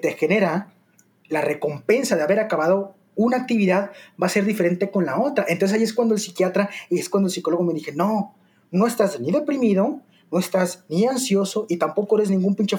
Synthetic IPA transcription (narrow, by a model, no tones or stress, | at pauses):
t̪e̞xene̞ɾa | lare̞ko̞mpe̞nsaðe̞aβe̞ɾakaβaðo̞ | unaːk̚t̪iβiðaðbase̞ɾðife̞ɾe̞nt̪e̞ko̞nlao̞t̪ɾaʔent̪osesaieskwand̪oelsikjat̪ɾaieskwand̪oelsiko̞lo̞ɣo̞me̞ðixe̞no̞ | no̞e̞st̪azniðe̞pɾimiðo̞ | no̞e̞st̪azniansjo̞so̞ʔit̪ampo̞koeɾe̞znĩŋɡumpint͡ʃe